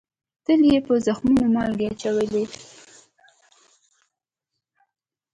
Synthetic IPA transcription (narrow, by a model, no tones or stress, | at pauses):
t̪əljepəzaxmunomɑlɡeat͡ʃawəli